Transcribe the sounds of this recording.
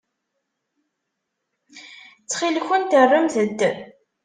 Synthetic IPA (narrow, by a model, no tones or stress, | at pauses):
t͡sːχilçʊnt̪ərˤːəmθəd̪ː